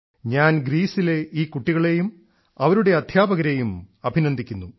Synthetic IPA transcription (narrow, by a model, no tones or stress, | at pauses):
ɲaːnɡɾiːsile̞iːkːuʈːiɣɐɭe̞jum | ɐʋɐɾuɽe̞ɐd̪ʱjaːbɐɣɐɾe̞jumɐbʱinɐnd̪ʱikʲːunːu